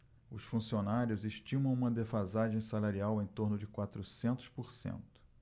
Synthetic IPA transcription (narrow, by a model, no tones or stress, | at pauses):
ʊsfũsionaɾjʊzeʃt͡ʃĩmɐ̃w̃ũmɐd̪efazaʒẽj̃salaɾiawẽj̃t̪oɾnʊd͡ʒɪkwat̪ɾusẽnt̪ʊ̥spoɾsḛ̃nt̪ʊ̥